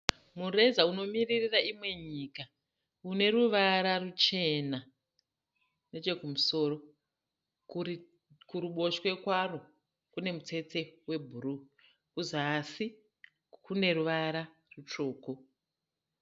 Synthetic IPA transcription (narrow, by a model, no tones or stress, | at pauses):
mure̞zauno̞miririraimwe̞ɲiːka | une̞ruʋaɾarut͡ʃe̞na | ne̞t͡ʃe̞kumuso̞ːro̞ | kuɾuɓo̞ʃwe̞kwaro | kune̞mut͡se̞t͡se̞we̞bʱuɾu | kuzasi | kune̞ruʋaɾa | rut͡ʃo̞ːko̞